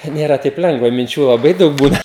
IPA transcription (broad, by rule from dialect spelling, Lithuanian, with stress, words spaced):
ˈnʲeːrɐ tɐɪp ˈlʲɛŋɡʋɐ mʲɪnʲˈt͡ʃʲuː lˠɐˈbɐɪ ˈdɐʊk ˈbuːnɐ